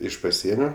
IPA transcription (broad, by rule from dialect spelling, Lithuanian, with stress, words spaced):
ˈɪʃ pɐˈsʲiɛnʲoː